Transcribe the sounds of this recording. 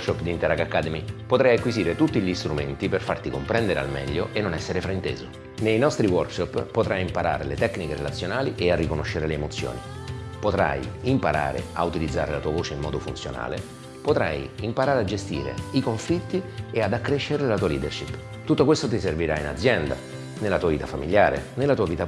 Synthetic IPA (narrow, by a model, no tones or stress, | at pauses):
ʃɔpːd̪int̪ɛɾakakːaːd̪emipot̪ɾajakwiziːɾet̪ut̪ːiʎist̪ɾumḛnt̪iperfart̪ikompɾɛnd̪eɾea̰lmɛ̰ʎːoʔenːonɛsːeɾefɾaint̪ḛːzo | nejnɔst̪ɾiwɔrkʃɔpːpːot̪ɾajimpaɾa̰ːɾelet̪ɛkːnikeɾḛlat̪sːjonaːliʔearːikonoʃːeɾeleːmot̪sːjo̰ːnipot̪ɾa̰jimpaɾa̰ːɾḛaut̪ilid̪zːaːɾelat̪uːavoːt͡ʃeimːɔ̰ːd̪ofunt̪sjo̰na̰ːle | pot̪ɾa̰jimpaɾaːɾead͡ʒest̪ḭːɾḛikoɱflit̪ːiead̪akːɾeʃːeɾelat̪uːaliːd̪erʃipː | t̪ut̪ːokwest̪ot̪iserviɾaina̰d̪zːjɛnd̪a̰ | nelːat̪uːaviːt̪afamiljaːɾḛnelat̪uːaviːt̪a